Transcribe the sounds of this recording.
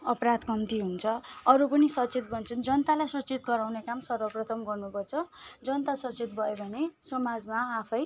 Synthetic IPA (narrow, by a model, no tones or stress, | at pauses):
ʌpɾad̪kʌmt̪iɦunt͡sʰʌʌɾupʌnisʌt͡sit̪̚bʱʌnt͡sʰʌnd͡zʌnt̪alajsʌt͡sit̪ɡʌɾawnekamsʌrwʌprʌt̪ʰʌmɡʌrnupʌrt͡sʰʌd͡zʌnt̪asʌt͡sit̪̚bʱʌebʱʌnesʌmad͡zmaːpʰʌj